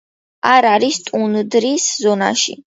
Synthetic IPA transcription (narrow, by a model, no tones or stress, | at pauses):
aɾaɾist̪ʼund̪ɾiszɔna̰ʃḭ